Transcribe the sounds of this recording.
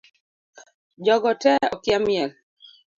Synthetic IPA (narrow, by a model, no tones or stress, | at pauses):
d͡ʒɔɡɔtɛɔkjamjɛl